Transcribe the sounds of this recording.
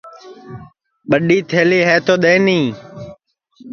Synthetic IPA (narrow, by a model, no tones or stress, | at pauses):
ɓəɗiːt̪ʰeːliːɦeːt̪oːɗ̪ẽːnĩː